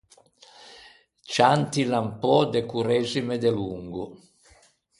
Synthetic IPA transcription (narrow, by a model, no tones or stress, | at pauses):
t͡ʃant̪ilampɔd̪ekuɾɛːzimed̪eluŋɡu